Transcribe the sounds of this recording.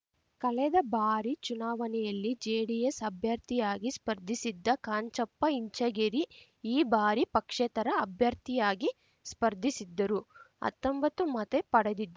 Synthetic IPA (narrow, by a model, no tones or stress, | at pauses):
kɐlɛd̪ɐbaːɾit͡ʃunaːʋɐnɛjɐlːid͡ʒɛːɽijesɐbʱjɐɾt̪ijaːɡispɐɾd̪ʱisid̪ːɐkaːɲt͡ʃɐpːɐiɲt͡ʃɐɡeɾi | iːbaːɾipɐkʂɛt̪ɐɾɐːbʱjɐɾt̪ijaːɡi | spɐɾd̪ʱisid̪ːɐɾuɐ̰t̪ːɐmbɐt̪umɐt̪epɐɽed̪id̪ː